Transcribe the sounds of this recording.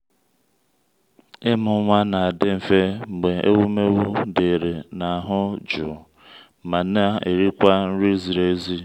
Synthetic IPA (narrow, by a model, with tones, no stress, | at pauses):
ɪ˦mʊ˨˦ŋʷa˦na˨a˨dɪ˦m̩˨fe˦ŋ͡m̩˨ɡ͡be˨e˦wu˦me˦wu˦de˨ɾe˨na˨ɦʊ˦d͡ʒʊ˨ | ma˨n˦a˦ḛ˨ɾi˦kʷa˦n̩˦ɾi˦zi˨ɾe˦zi˦